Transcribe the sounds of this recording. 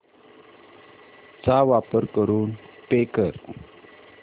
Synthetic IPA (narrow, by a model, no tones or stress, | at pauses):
t͡sawapəɾkəɾunpekər